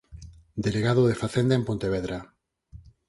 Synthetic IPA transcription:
d̪eleɣaðoðefaθend̪eempont̪eβ̞eðɾa

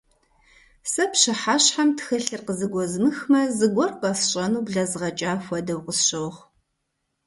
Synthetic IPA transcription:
sɐpʃɐħaːɕħamtʰxɐɬɨrqəzɨɡʷɔzmɨxmɐzɨɡʷɔrqɐsɕʼɐnuːbɮɐzʁɐt͡ʃʼaːfʷɐdɐwqəsɕɐwχ

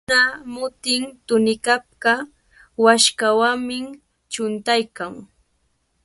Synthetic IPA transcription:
amʊt̪ɪŋt̪ʊnɪkap̚ɢa | waʃkawamɪ | t͡ʃʊnt̪ajkaŋ

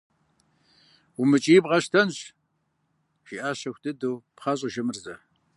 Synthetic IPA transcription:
umɨt͡ʃʼijbʁɐɕtʰɐnɕ | ʒ̥iːʔaːɕɐxʷdɨdowpχɐɕʼʒɪmɨrzɐ

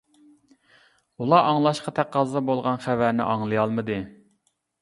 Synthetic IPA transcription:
ulˠɑʔɑŋlˠɑʃqɑt̪ʰæqʰːɑzˠɨd̪ɑbolˠʁɑnχævæɾnɪ̰ʔɑŋlˠɨjɑlˠmɨd̪ɨ

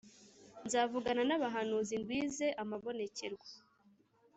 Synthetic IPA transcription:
nzaːvuɡananaβaɦanuːzindwiːze̞ʔamaβo̞ne̞ce̞ɾɡa

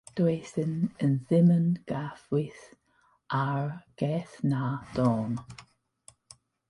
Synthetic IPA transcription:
d̪̥esənənzɪmənɡ̥afwiθ | ʔaɹɡ̥ɛθnad̥ɔːn

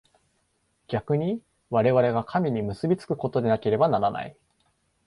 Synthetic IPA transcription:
ɡ̥ʲakɯ̟ɲ̟i | βaɾe̞βaɾe̞ɡakʰamʲiɲ̟imɯ̟sɨbʲit͡sɨ̥kɯ̟̥ko̞t̪o̞d̪e̞nake̞ɾe̞banaɾana̰i

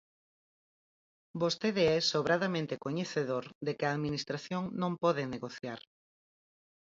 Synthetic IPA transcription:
bost̪eðeɛsoβɾaðamẽnt̪ekoɲeθeðoɾd̪ekɪaːðminist̪ɾaθjoŋnõmpɔðeneɣoθjaɾ

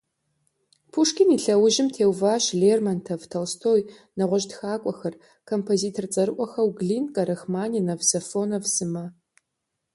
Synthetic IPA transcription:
pʰuʂkʲɪniːɬɐwʊʒɪmtʰeːwvaːɕɮeːrmɐntʰɐvtʰɐlstʰoːj | nɐʁʷɔʒtxaːkʷʼɔxɐr | kʰompʰoziːtʰort͡sʼɐɾɨʔʷʼɔxɐwɡɮiːnkʼɐɾɐxmaːninɐvsɐfoːnɐvzɨmɐ

